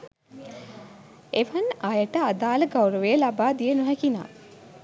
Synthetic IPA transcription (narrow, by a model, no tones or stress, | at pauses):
eʋənajəʈəad̪aːləɡawɾəʋejəlabaːd̪ijənuɦɛkina̰ː